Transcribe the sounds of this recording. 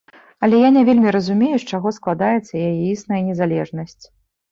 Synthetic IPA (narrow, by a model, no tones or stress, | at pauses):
ɐlʲɛjanʲɛvʲelʲmʲiɾɐzumʲejut͡ʂaɣɔsklˠad̪ajɛt̪sːɐjajɛisnɐjɐnʲɛzalʲɛʐnɐsʲt͡sʲ